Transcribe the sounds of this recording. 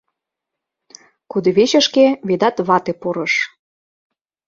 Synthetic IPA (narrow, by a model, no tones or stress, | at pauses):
kud̪ɤ̆βeɕə̆ʃkeβed̪ɑt̪βɑt̪epuɾɤ̆ʃ